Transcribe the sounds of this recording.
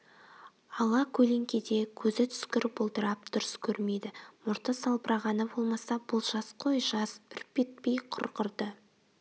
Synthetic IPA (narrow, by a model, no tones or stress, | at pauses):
ɑlˠɑkʲʰɵle̞ŋkʲed̪e̞kʲʰɵzɪt̪ʰʏ̥skʲɪɾbolˠd̪əɾɑp̚d̪̥ʊɾəskʲʰɵɾme̞jd̪ɪmʊɾt̪əsɑlˠpəɾɑʁɑnəbo̞lˠmɑsɑbʊlˠʒɑsqʰo̞jʒɑsʏɾpe̞t̪̚pe̞jqʰʊ̰ɾqəɾd̪ə